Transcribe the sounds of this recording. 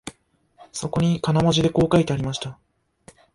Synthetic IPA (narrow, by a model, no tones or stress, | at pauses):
so̞ko̞ɲ̟ikanamo̞ʑid̪e̞ko̞ːkait̪e̞aɾʲimaɕi̥t̪a